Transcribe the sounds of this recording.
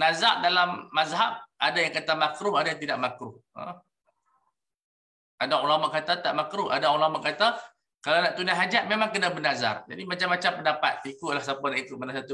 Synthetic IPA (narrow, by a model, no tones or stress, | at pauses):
nazaʔ̚dalamːazɦab̚ʔadajaŋkat̪amakɾʊadajaŋt̪̬idaʔmakɾʊhə̰ | adaulamaʔkat̪at̪aʔmakɾʊa̰daulamaʔkat̪a | kalanaʔt̪unaɦad͡ʒaʔ̚memãŋkənabənaza̰rd͡ʒadimat͡ʃamːat͡ʃampəndapa̰t̪̚ikʊʔ̪̚lahsapanaʔikʊt̪̚manas̬at̪u